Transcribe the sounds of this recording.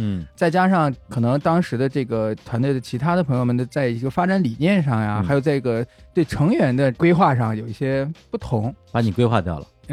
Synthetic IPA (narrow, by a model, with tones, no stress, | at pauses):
n̩˥˩t͡sa˥˩ɪt͡ɕja˥ʂɑ˥˩ŋkʰɤ˨˩nɤ˧˥ŋt̪ɑ˥ŋʂɻ̩˧˥d̪ə˧ʈ͡ʂɤ˥˩ɡə˩t̪ʰwa˧˥nt̪we˥˩ɪə˩t͡ɕʰi˧˥t̪ʰa˥d̪əpʰɤ˧˥ŋjo˧mə˨˩nt̪o˥t͡sa˥˩ɪi˧˥ɡə˧fa˥ʈ͡ʂa˧˥nli˨˩njɛ˥˧nʂɑ˥˩ŋja˨˩xa˧˥ɪjt͡sa˥˩ɪi˥˩ɡə˧t̪we˥˩ɪʈ͡ʂʰɤ˧˥ŋɥɛ˧˥nd̪ə˧kwe˥ɪxwa˥˧ʂɑ˥˩ŋjo˨˩i˥˩ɕjɛ˥pu˥˩t̪ʰʊ˧˥ŋpa˨˧˥ni˨˩kwe˥ɪxwa̰˥˧t̪jɑ̰˥˩ʊlə̰˩˥